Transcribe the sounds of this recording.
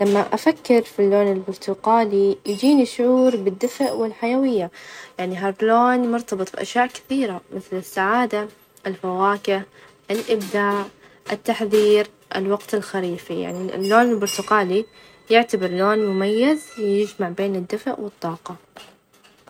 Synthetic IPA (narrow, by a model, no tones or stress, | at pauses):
lamːaʔafakːɪɾfilːoːnɪlbʊɾt̪ʊqaːlijd͡ʒiːniʃʊʕuːɾbɪd̪ːɪfʔwɪlħajawɪjːajaʕniɦaɾˤloːnmʊɾt̪ɑbɨt̪ˤbʔa̰ʃjaːʔkɪ̥θiːɾamɪθlɪsːaʕaːd̪a | ʔɪlfawaːkɪh | ʔɪlʔɪbd̪aːʔ | ʔɪt̪ːaħðiːɾ | ʔɪ̰lwɑɡt̪ɪlxaɾiːfija̰ʕnilːoːnɪlbʊɾˤt̪ʊqɑːli | jɪʕt̪abɪɾˤloːnmʊmajːɪzwɪjɪd͡ʒmaʕbeːnɪd̪ːɪfʔwɨt̪ˤːɑːqɑ